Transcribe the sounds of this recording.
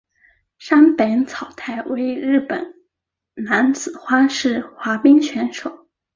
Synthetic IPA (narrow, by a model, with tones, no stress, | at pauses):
ʂa˥npe˧˥ɪt͡sʰɑ˨˩ʊt̪ʰa˥˩ɪwe˧˥ɪɻɻ̩˥˩pə̰˨˩˦n | na˧˥nt͡sɹ̩˨˩xwa˥ʂɻ̩˥˩xwa˧˥pi˥ŋt͡ɕʰɥɛ˧˥nʂo˨˩˦ʊ